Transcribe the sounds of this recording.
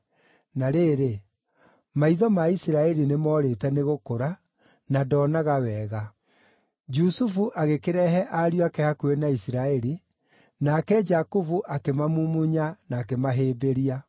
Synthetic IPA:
naɾeːɾe | maiðɔmaisiɾaɛɾinemɔːɾetɛneɣokoɾa | nadɔnaɣawɛɣa | d͡ʒusufuʔaɣekeɾɛɦɛʔaɾjakɛhakuenaisiɾaɛɾi | nakɛd͡ʒakuvuʔakemamumuɲanaːkemaɦeːbeɾia

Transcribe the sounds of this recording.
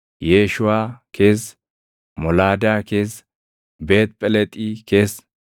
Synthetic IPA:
jeːʃʊwaːkʰe̞ːs | mɔlaːd̪aːkeːs | be̞ːt̪̚pʼɛlɛt̪ʼiːke̞ːs

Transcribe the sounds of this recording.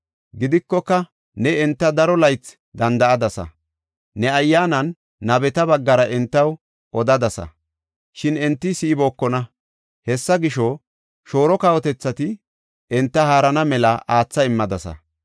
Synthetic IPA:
ɡɪd̪ɪkːɔkːɐ | nɛɛnt̪ːɐd̪ɐɾɔlɐjt͡s | d̪ɐnd̪ɐɐd̪ɐsɐ̰ | nɛɐjːaːnɐnː | ɐbɛt̪ɐbɐɡːɐɾɐʔɛnt̪ːɐw | ʔɔd̪ɐd̪ɐsɐ̰ | ʃɪnɛnt̪ːɪsiːbo̞ːkːɔnɐ | hɛsːɐɡɪʃɔ | ʃo̞ːɾɔkɐwɔt̪ɛt͡sːɐt̪ɪ | ɛnt̪ːɐhaːɾɐnɐmɛlɐʔaːt͡sːɐɪmːɐd̪ɐsɐ̰

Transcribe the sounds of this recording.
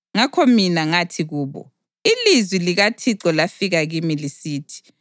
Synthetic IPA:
ŋakʰɔminaŋatʰiɣuːβɔ̰ | ilizwiliɣatʰiǁɔlafiɣaɣimilisiːtʰi̥

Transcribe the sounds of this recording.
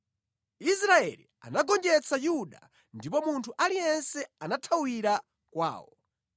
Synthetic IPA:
isɾaɛli | a̰naɡɔnd͡ʒɛt͡sʰajuɗa̰ | ndipɔmuntʰuʔalijɛnsɛanatʰawiɾa | kwa̰ːwɔ

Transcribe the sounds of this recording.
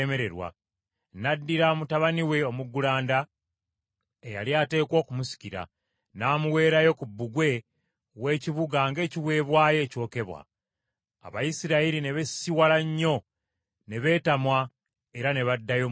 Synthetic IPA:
me̞ɾe̞ɾwa̰ | nadːiɾamutaβaniwe̞o̞muɡːulaːnda | eja̰ljaːte̞ːko̞ːkumusi̥ciɾa̰ | naːmuwe̞ːɾajo̞kubːuɡwe̞ | we̞ːciβuɡaŋɡe̞ːciβwe̞ːβwaːje̞ːco̞ːke̞βwa̰ | a̰βajisiɾaiɾine̞βesiwalaɲːo̞ | ne̞βe̞ːtamwa | e̞ɾane̞βadːajo

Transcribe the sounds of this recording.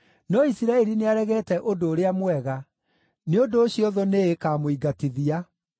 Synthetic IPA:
nɔisiɾaɛɾineaɾɛɣɛːtɛʔodoːɾeamwɛɣa | neondoːɕiɔðɔneekaːmoiɡateðia

